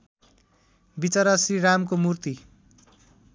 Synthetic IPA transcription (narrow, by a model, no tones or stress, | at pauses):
bit͡sʌɾʌsriɾamkomurt̪i